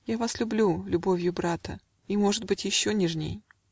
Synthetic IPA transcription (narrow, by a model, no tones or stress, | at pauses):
javaslʲʊblʲulʲʊbo̞vʲjʊbɾat̪ə̰ | imo̞ʐɨd̪̚bɨtʲjɪɕːo̞nʲɪʐnʲḛj